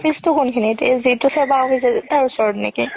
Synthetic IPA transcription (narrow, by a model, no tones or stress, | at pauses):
pʰistʊkʊnkʰinitezitʊsʰɛbaɔpʰisɛtaɹusɔɹtnḭki